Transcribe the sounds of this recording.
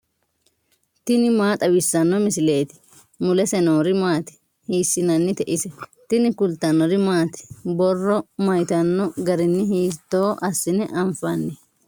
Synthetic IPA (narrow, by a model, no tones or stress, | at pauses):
t̪ɪnɪmaːt̪ʼɐwɪsːɐnːɔmɪsɪle̞ːt̪ɪ̥ | mʊlɛsɛnoːɾɪmaːt̪ɪ̥ | hiːsːɪnɐnːɪt̪ɛʔɪsɛt̪ɪnɪkʊlt̪ːɐnːɔɾɪmaːt̪ɪ̥bɔrːɔmɐjt̪ɐnːɔɡɐɾɪnːɪɦiːt̪ːo̞ːʔɐsːɪnɪʔɐɱfɐnːɛ